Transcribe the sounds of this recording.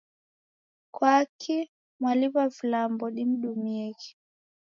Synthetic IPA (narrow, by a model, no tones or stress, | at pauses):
kwakʰi | mwaliβavilambɔɗim̩ɗumiɛki̥